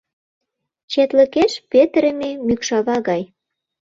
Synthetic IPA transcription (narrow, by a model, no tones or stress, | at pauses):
t͡ɕet̪lə̆keʃpet̪ɾəmemykʃɑβɑɣɑj